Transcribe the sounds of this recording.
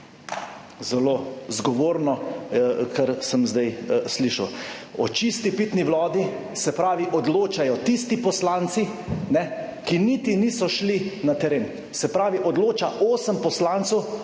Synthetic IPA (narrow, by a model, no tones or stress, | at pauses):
zɛlozɡɔʋoːɾnɔ | kaɾsəmzd̪ajsliʃɐwɔ̰t͡ʃist̪ipiːt̪niʋlaːd̪i | sɛpɾaːʋiʔɔd̪loːt͡ʃajɔt̪ist̪ipɔslaːnt̪sinɛ | kinit̪iniːsɔʃlinat̪ɛɾeːn | sɛpɾaːʋiʔɔd̪loːt͡ʃaoːsəmpɔslaːnt̪sɛw